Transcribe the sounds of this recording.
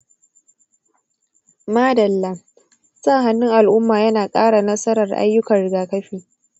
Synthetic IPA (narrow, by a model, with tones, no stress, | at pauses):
maː˦dɐ˨lːa˦ | sa˦˨ɦa˦nːɪ˦ŋʔa˨lʔʊ˦mːaː˨jɐ˦naː˨kʼaː˦ɽa˨nɐ˦sɐ˦ɾɐ˨rʔa̰˦jːʊ˦kɐ˨rɽɪ˨ɡaː˨kɐ˦ɸiː˨